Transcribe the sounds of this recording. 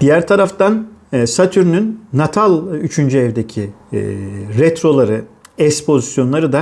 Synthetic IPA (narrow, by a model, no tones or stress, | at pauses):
d̪̥ijæɾt̪ʰaɾaft̪ʰanːsat̪ʰyɾynynːat̪ʰalˠyt͡ʃʰynd͡ʒyɛvd̪ecʰi | ɾɛt̪ɾo̞lˠaɾɯɛspʰo̞zisjo̞nlˠaɾɯd̪a